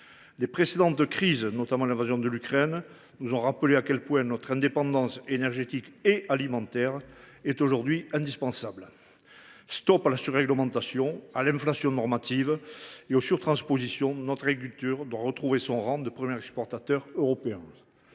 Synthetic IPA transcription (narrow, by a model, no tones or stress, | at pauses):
lepχesed̪ɑ̃t̪kχiznɔt̪amɑ̃lɛ̃vazjɔ̃d̪əlykχɛn | nuzɔ̃ʁapəleakʲɛlpwɛ̃nɔt̪χɛ̃d̪epɑ̃d̪ɑ̃senɛʁʒet̪ikeʔalimɑ̃t̪ɛʁ | ɛt̪oʒuʁd̪ɥiɛ̃d̪ispɑ̃sabl | st̪ɔpalasyʁːɛɡləmɑ̃t̪asjɔ̃alɛ̃flasjɔ̃nɔʁmat̪iveosyʁt̪χɑ̃spozisjɔ̃nɔt̪χaɡʁik̬ylt̪yʁd̪waʁət̪χuvesɔ̃ʁɑ̃d̪əpχəmjɛʁɛkspɔʁt̪at̪œʁøʁɔpeɛ̃